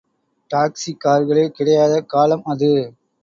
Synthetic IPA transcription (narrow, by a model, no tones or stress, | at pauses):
ʈaːksikaːɾɣɐɭekɪɽɐjaːðɐkaːlɐmɐðɯ